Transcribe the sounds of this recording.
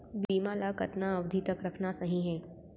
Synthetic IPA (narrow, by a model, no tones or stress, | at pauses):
biːmaːlakɐt̪naɐʋd̪ʱit̪ɐkɾɐkʰnasɐɦĩɦɛ̃ː